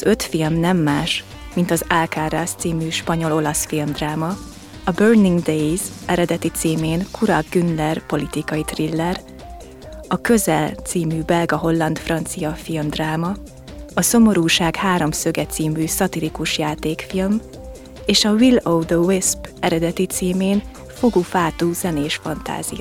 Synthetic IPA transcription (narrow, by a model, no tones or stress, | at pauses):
ɒzø̞t̪filmnɛmːaːʃ | mint̪ɒzalkaːrast̪siːmyːʃpɒɲo̞lo̞lɒsfilmd̪raːmɒ | ɒbørniŋɡd̪ejzɛɾɛd̪ɛt̪it̪siːmeːnkʰuɾɒɡynlɛrpo̞lit̪ikɒjit̪rilːɛr | ɒkø̞zɛlt̪siːmybɛlɡɒɦo̞lːɒnt̪frɒnt̪sijɒfilmd̪raːmɒ | ɒso̞mo̞ɾuːʃaːɡhaːɾo̞msø̞ɡɛt̪siːmyːsɒt̪ilikuʃjaːt̪eːkfilm | eːʃɒvilowd̪əwispɛɾɛd̪ɛt̪it̪siːmeːn | foɡufaːt̪uz̥ɛneːʃfɒnt̪a̰ːz̥ḭjɒ̰